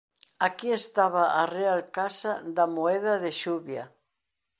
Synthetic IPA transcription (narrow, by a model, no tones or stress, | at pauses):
akiest̪aβaʔarealkasad̪amoɛðɐðeʃuβja